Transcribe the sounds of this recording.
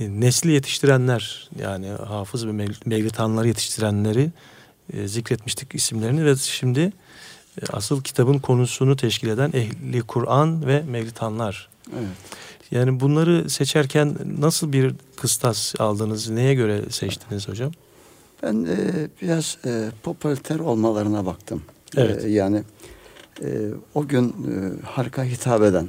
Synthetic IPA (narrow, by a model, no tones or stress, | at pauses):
nɛslʲije̞t̪ʰi̥ʃt̪ʰiɾænlʲæɾ̥ja̰ːniɦaːfɯzvɛmɛmɛjlʲit̪ʰanlˠaɾɯjet̪ʰi̥ʃt̪ʰiɾænlʲe̞ɾi | zicɾɛt̪miʃt̪ʰi̥cisimlʲeɾinivɛʃimd̪ɪ | a̰sɯlˠcʰi̥t̪ʰabɯnkʰo̞nusunut̪ʰɛʃcʰilʲe̞d̪ænɛɦlʲikʰuɾʔanvɛmevlʲit̪ʰanlˠaɾ̥ | ɛvɛjaːnibunlˠaɾɯset͡ʃʰæɾcʰænːasɯlˠbiɾkʰɯst̪ʰasa̰lˠd̪ɯːnɯzne̞jɛɟø̞ɾɛsɛt͡ʃt̪ʰiniz̥ho̞d͡ʒam | b̥ænːbiɾaz̥pʰopʰolʲit̪ʰæɾo̞lˠmalˠaɾɯnabakt̪ʰɯmeɛjaːnɪ | ɛoɟynhaɾkʰaɦit̪ʰaːbed̪æn